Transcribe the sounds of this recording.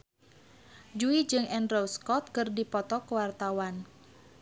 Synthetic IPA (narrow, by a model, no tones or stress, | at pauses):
d͡ʒuid͡ʒɨŋɛnrowskɔt̪̚kɨrdipɔt̪ɔkəwart̪awan